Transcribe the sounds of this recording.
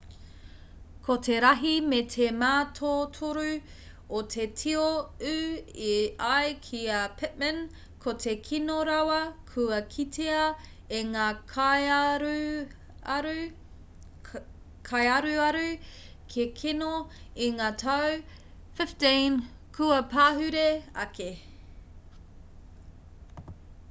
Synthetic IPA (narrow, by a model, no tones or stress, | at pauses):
kʰotʰeɾɐɦimetʰemaːtʰotʰoɾʉ | otʰetʰioʉiajkʰiɐpʰɪt̚mə̃n | kʰotʰe̞kʰinoɾawɐkʰʉɐkʰitʰeɐ | eŋaːkɾ | ɾ | kʰajɐɾʉɐɾʉ | kʰekʰenoiŋaːtʰɐw | fɪftin | kʰʉɐpaːɦʉɾeɐ̰ke